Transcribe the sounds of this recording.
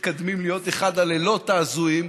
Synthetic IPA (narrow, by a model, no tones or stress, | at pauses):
kad̪mimlijo̞t̪eχad̪alelo̞t̪aːzuim